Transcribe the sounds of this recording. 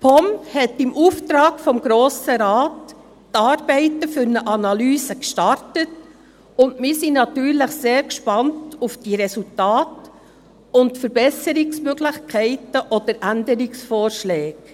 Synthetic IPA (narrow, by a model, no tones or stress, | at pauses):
pʰɔmhɛtɪmʔuːft̪ɾɑːɡfɔmɡɾoːsəɾaːtː | ɑːɾb̥ɛɪtəfʏɾnəʔɑnɑlyːsəkʃtɑɾtət | ʊndmɪːsinɑtyːɾləχseːɾkʃpɑntufd̥iɾɛsultɑːt | ʊntfəɾb̥ɛsəɾɪksmøɡlɪχkʰɛɪtəʔɔd̥̪əɾʔændəɾɪksfɔːɾʃlɛːɡ